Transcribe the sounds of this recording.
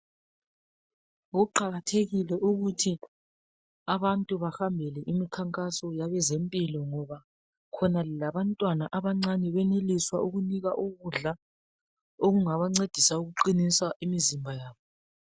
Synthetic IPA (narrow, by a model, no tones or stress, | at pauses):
ɣuǃaɣatʰeɣilɛʔuɣutʰi | aβantʼuβaxambʱɛlɛʔimikʰaŋkʼasɔjaβɛzempʼilɔŋɔβa | kʰɔnalilaβantʼwanaʔaβaŋ͡ǀanɛβɛneliswaʔuɣuniɣaʔuɣuɮa | oɣuŋaβaŋ͡ǀed̥ʱisauɣuǃiniswaʔimizimbʱajaːβɔ